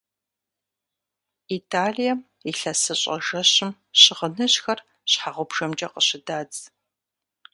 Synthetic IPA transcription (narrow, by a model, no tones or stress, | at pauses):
itʰaːɮijɐm | iɬɐsɨɕʼɐ̰ʒɐɕɪm | ɕɪʁənɨɕxɐr | ɕħaʁʷʊbʒ̥ɐmt͡ʃʼɐqəɕɪdaːd͡z